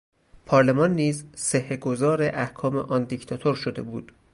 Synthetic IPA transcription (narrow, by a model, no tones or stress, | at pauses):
pʰɒːɾle̞mɒnːiːzseheɡo̞zɒːɾe̞ʔæhkʰɒːme̞̰ʔɒnd̪ict̪ʰɒt̪ʰoɾʃo̞d̪e̞bṵːd̪̥